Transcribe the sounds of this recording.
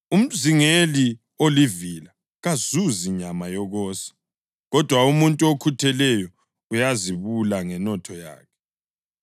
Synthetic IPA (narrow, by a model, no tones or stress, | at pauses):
um̩ziŋeli | olivila | ɣazuziɲamajɔɣɔːsḁ | ɣɔd̥ʱwaumuntʼuokʰutʰɛlɛjɔ | ujaziβulaŋɛnɔtʰɔja̰ːkʰɛ̥